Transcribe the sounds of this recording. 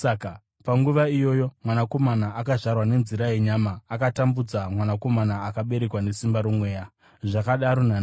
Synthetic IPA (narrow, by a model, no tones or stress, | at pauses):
saka | paŋɡuʋaijo̞jo̞mwanako̞manaakaʐarwane̞nziɾajeɲamaːkatambud͡zamwanako̞manaːkaɓe̞ɾe̞kwane̞simbaɾumwe̞ːja | ʐakaɗaɾo̞nana